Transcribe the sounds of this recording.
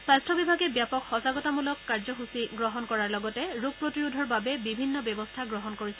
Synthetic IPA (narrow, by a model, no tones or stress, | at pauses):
sastʰɔbibʱaɡɛbjapɔkxɔsaɡɔtamulɔkːaɹzɔxusiɡɹɔɦɔnkɔɹaɹlɔɡɔtɛɹuɡ̚pɹotiɹudʱɔɹbabɛbibʱinːɔbɛbɔstʰaɡɹɔɦɔnkoɹisɛ